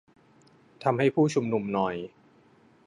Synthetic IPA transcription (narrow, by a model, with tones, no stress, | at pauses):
t̪ʰa˧mha˥˩jpʰuː˥˩t͡ɕʰu˧mnu˧mnɔ˧j